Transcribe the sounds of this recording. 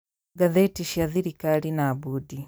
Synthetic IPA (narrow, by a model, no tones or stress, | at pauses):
ɡaðɛtiʃiaðiɾikalinaːbudi